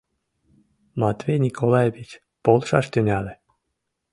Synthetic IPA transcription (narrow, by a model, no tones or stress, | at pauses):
mɑt̪ʲvʲenʲikʰolˠɑjevʲit͡ɕ | polˠʃɑʃt̪ynʲɑle